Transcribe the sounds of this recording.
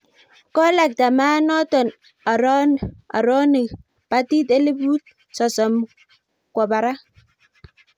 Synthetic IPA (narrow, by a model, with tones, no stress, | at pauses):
kɔ˦la˨k̚ta˨ma˦nɔ˦tɔ˨n | a˨ɾɔ˦na̰˨ɾɔ˦nɪ˨k | pa˦ti˦te˦le˦bu˦t̚ | sɔ˨sɔ˨m | kʷɔ˨ba˨ɾa˦